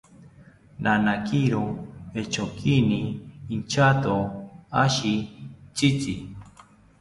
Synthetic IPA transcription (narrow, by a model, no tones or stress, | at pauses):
nʔanakiɾoet͡ʃokʰiniːnt͡ʃat̪oaʃit͡ʃit͡si